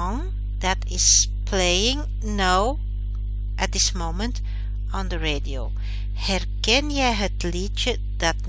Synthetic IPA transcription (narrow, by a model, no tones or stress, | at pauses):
ɔŋ | dɑtʰɪs | plejɪ̃ŋ | naw | ʔɛt̚dɪsmowmə̃nt | ɔ̃ndəɹedio | hɛrkɛnjɛjɦətlitt͡ʃə | d̥ɑt̚